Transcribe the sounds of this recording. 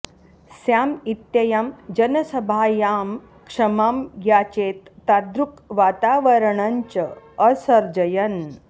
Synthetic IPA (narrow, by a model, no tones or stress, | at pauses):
sjaːmit̪jɐjamd͡ʒɐnəsɐbʱajaːm | kʂɐmamɡjaːt͡ɕeːt̪ːad̪ɾukʋat̪aːʋəɾɳaɲt͡ɕə | əsɐɾd͡ʒɐjɐn